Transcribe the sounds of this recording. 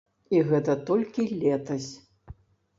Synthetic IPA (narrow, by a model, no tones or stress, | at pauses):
iɣɛt̪ɐt̪ɔlʲkʲilʲɛt̪ɐsʲ